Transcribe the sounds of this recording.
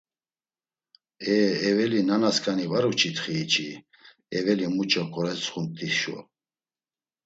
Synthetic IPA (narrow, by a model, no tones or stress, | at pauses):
ɛɛvɛlinanaskʼanivaɾut͡ʃʰit̪χiːt͡ʃʰʼi | ɛvɛlimut͡ʃʰʼakʰʼɔɾɛt͡sʰʼχumt̪ʰʼiʃɔ̰